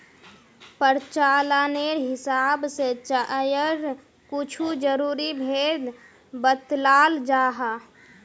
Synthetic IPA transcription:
pəɾt͡ʃaːlaneɾɦɪsaːbset͡ʃəjəɾ | kut͡ʃʰud͡ʒəɾuːɾibʱeːd̪ | bət̪laːld͡ʒaːɦa

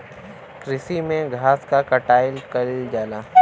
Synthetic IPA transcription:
kɾɪsimẽɡʱaːskakɐʈaːɪlkɐld͡ʒaːlaː

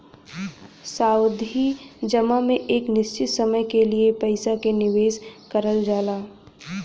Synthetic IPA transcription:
saːʊd̪ʱid͡ʒɐmamẽʔeːknɪst͡ʃɪt̪sɐməjkeliepɐɪsakenɪʋeːskɐɾəld͡ʒaːlaː

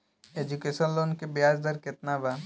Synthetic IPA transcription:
eːd͡ʒukeːʃənloːnkebjaːd͡ʒd̪əɾkɪt̪naba

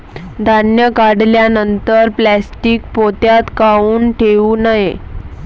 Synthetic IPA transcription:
d̪ʱanjəkaɽljanənt̪əɾplæsʈiːk̚pot̪jat̪kauːnʈʰeʋuːnaje

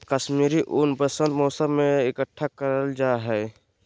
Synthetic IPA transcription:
kəsmiːɾiʔʊnbəsənmoːsəmːeɪkəʈʰːakəɾəld͡ʒaɦɛɪ

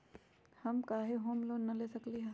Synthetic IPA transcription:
hɐmkaːɦeɦoːmloːnnːɐleːsɐkliɦa

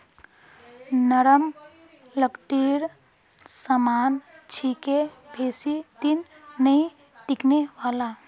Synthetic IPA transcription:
nəɾəm | ləkʈiɾ | səmaːn | t͡ʃʰike | bʱeːsit̪in | nəĩ | ʈikneʋaːla

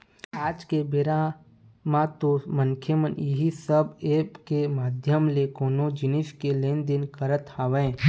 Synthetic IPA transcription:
aːd͡ʒkebɪɾa | mãt̪oməŋkʰjəmənjɪɦisəbeːpkemaːd̪ʱjəmlekoːnod͡ʒɪnɪʃkeleːnd̪ɪnkəɾət̪aːʋẽː

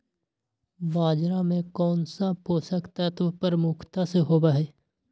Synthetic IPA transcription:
baːd͡ʒɾamẽkɔːnsapoːsəkt̪ət̪ʋpəɾmʊkʰt̪aseɦoːbaɦɛː

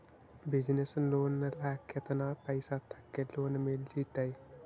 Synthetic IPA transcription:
bɪd͡ʒnesloːnːəlaːkʰet̪naːpɐɪsat̪ʰɐ̥kːeloːnmeld͡ʒiːt̪aj

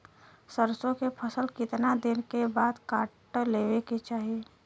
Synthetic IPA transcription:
səɾsõkepʰəsəlkɪt̪nad̪ɪnkebaːd̪kaːʈleːʋeket͡ʃaːɦie

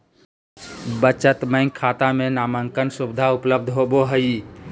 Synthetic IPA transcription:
bət͡ʃət̪məɪ̃ŋɡkʰaːt̪amẽnaːməŋkənsʊbɪd̪ʱaʊpləb̚d̪ʱɦoboɦəi

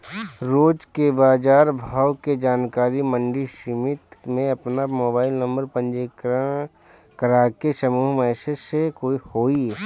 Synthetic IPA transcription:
ɾoːd͡ʒkebaːd͡ʒaːɾbʱaːwked͡ʒaːnkaːɾimə̃ɳɖiʃɪmɪt̪mẽɐpnamoːbaːɪlnə̃mbəɾpə̃nd͡ʒek | kəɾaːkeʃɐmuːɦmɛːʃəsekoːihoːi

